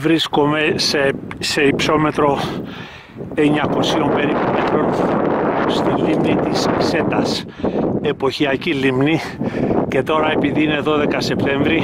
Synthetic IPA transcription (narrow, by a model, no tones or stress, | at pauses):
vɾisko̞me̞sese̞ipso̞me̞t̪ɾo̞ | e̞ɲɐko̞sio̞mpe̞ɾipume̞t̪ɾo̞n | st̪ilimnit̪isise̞t̪ɐs | e̞po̞çiɐcilimni | ce̞t̪o̞ɾɐe̞piðiine̞ðo̞ðe̞kɐse̞pt̪e̞ɱvɾi